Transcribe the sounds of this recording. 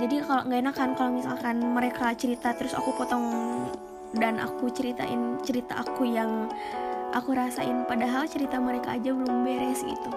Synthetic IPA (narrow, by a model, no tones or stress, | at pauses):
d͡ʒadikaloŋɡainakankalomisalkanməɾekat͡ʃəɾit̪at̪ɾʊsa̰kupɔt̪ɔŋ | danʔa̰kut͡ʃəɾit̪a̰ʔɪnt͡ʃəɾit̪a̰ʔakujaŋ | ʔakuɾasaʔɪnpadaɦalt͡ʃəɾit̪aməɾekaːd͡ʒabəlʊmbɛɾɛsḭt̪u